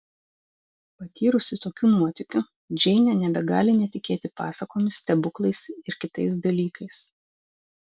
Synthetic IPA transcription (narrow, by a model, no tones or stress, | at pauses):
pɐt̪ʲʰiːɾʊsʲɪt̪oːkʲuːnuɔt̪ʲɪkʲʊ | d͡ʒʲɛɪnʲɛnʲɛbʲɛɡɑːlʲɪnʲɛt̪ʲɪkʲeːt̪ʲɪpɑ̰ːsɐkoːmʲɪsʲt̪ʲɛbʊklˠɐɪsɪɾkʲɪt̪ɐɪs̬d̪ɐlʲiːkʰɐɪs